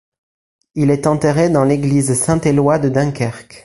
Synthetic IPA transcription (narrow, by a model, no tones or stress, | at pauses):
ilɛt̪ɑ̃t̪eʁed̪ɑ̃leɡlizsɛ̃t̪elwad̪əd̪ɛ̃kʲɛʁk